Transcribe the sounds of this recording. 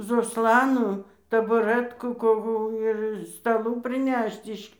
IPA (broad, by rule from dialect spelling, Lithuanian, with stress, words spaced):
zoːˈslˠɑːnuː tɐbʊˈrɜtkuː koːˈkuː ɪr stɐˈlˠuː pʲrʲɪˈnʲɛʃt ɪʃ